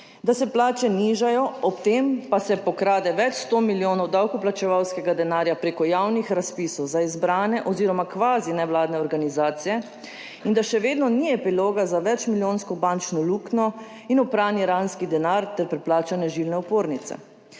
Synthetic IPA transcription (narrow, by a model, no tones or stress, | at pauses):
d̪asɛplaːt͡ʃɛniːʒajɔɔpt̪eːmpasɛpɔkɾaːd̪ɛʋɛt͡ʃst̪oːmiljoːnɔwd̪awkuplat͡ʃɛʋawskɛɡad̪ɛnaːɾjapɾeːkɔjawnixɾaspisɔwzaizbɾaːnɛʔɔziːɾɔmakʋaːzinɛʋwlaːd̪nɛɔɾɡanizaːt̪sijɛ | ind̪aʃɛʋeːd̪nɔniɛpiloːɡazaʋɛt͡ʃmiljoːnskɔbant͡ʃnɔluːknɔ | inɔpɾaːniɾanskid̪ɛnaɾt̪ɛɾpɾɛplaːt͡ʃanɛʒilnɛupoːɾnit̪sɛ̰